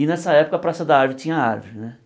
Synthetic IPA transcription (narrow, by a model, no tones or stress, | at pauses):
inɛsɐɛpʊ̥kɐpɾasɐd̪ɐaɾvɪt͡ʃĩɲɐaɾvɪnɛ